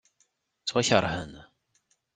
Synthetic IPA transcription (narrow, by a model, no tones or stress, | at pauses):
t͡sːwæçəɾˤhən